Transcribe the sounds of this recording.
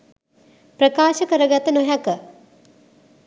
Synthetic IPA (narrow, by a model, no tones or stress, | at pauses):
pɾəkaːʃəkəɾəɡat̪ənoɦakə